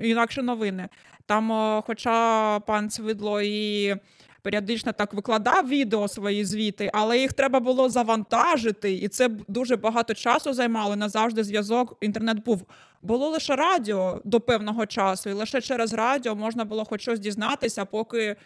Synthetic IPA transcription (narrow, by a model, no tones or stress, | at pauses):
inɑkʃɛnɔʋɪnɪ | t̪ɑmxɔt͡ʃɑpɑnt͡s̪ʲʋɪd̪lˠɔi | peɾʲiɔd̪ɪt͡ʃnɛt̪ɑkʋɪklˠɐd̪ɑwʋʲid̪eɔsʋɔjizʲʋʲit̪ɪʔɐlˠɛjixt̪ɾɛbɐbʊlˠɔzɐʋɐnt̪ɑʒɪt̪ɪit̪sɛd̪uʒɛbɐɦɑt̪ɔt͡ʃɑsʊzɐjmɑlˠɔnɐzɑwʒd̪ɪzʲʋʲjɐzɔkint̪ɛrnɛt̪̚buw | bʊlˠɔlˠɪʃɛɾɑdʲɪɔd̪ɔpɛwnɔɦɔt͡ʃɑsʊilˠɪʃɛt͡ʃɛɾezrɑdʲiɔmɔʒnɐbʊlˠɔxɔt͡ʃɔzʲdʲiznɑt̪ɪsʲɐpɔkɪ